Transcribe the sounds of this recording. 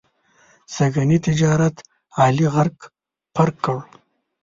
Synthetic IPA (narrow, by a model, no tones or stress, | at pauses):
saɡanit̪ɪd͡ʒɑːɾat̪ | ɑːliɣaɾɡ | paɾkːəɽ